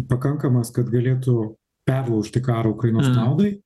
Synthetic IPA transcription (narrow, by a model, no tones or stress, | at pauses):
pɐkɐŋkɐmɐskɐt̪ɡɐlʲeːt̪ʊ | pʲæːʋoʊʃʲt̪ʲɪkɑːɾɐʊkɾɐɪnoːsknɐʊd̪ɐɪ